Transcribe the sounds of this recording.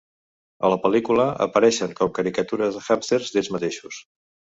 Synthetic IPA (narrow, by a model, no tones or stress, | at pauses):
ə̰ləpəlikuləə̰pəɾɛʃəŋkɔp̚kəɾikət̪uɾəzðəxapt̪eɾzðezmət̪eʃus